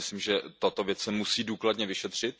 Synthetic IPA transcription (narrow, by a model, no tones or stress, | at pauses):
ɪsliːmʒɛt̪ot̪ovjɛt͡ssɛmusiːduːkladɲɛvɪʃɛt̪r̝̥ɪt̪̚